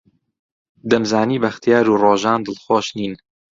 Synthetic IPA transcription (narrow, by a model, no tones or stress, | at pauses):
d̪ɐmzaːniːbɐxt̪jaːɾuːroːʒaːnd̪ɨlxoːʃniːn